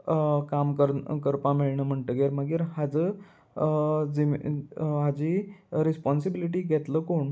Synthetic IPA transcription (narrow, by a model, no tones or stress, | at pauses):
kamkəɾkəɾpamiɭɳəm̤əɳʈ̪əːɡeɾməɡiːɾɦad͡zəː | d͡zi | ɦad͡ʑiːɾispɔnsibiliʈ̬iːɡʱɛt̪ləːkoɳ